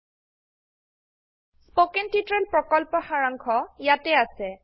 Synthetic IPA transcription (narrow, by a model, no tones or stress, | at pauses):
spokɛntitɹɛlpɹɔkɔlpɔxaɹaŋkʰɔjatɛasɛ